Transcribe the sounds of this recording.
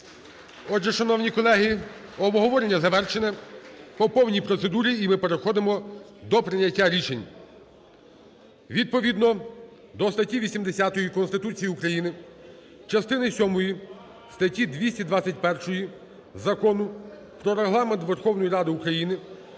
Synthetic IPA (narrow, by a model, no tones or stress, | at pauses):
ɔd͡ʒɛʃɐnɔwnʲikɔlˠɛɦiɔbɦɔʋɔɾenʲːɐzɐʋɛrʃenɛpɔpɔwnʲijpɾɔt̪sed̪uɾʲiːmɪpe̞ɾexɔd̪emɔ | d̪ɔpɾɪnʲɐtʲːaɾʲit͡ʃenʲ | ʋʲid̪̚pɔʋʲid̪nɔ | d̪ɔst̪ɐtʲiʋʲisʲimd̪esʲat̪ɔjikɔnst̪ɪt̪ut͡sʲijiukɾɐjinɪ | t͡ʃɐst̪ɪnɪsʲɔmɔji | st̪ɐtʲid̪ʋʲisʲtʲid̪ʋat͡sʲɐtʲpɛrʃɔji | zɐkɔnʊ | pɾɔɾeɦlˠɑment̪ʋerxɔwnɔjiɾɑd̪ɪukɾɐjinɪ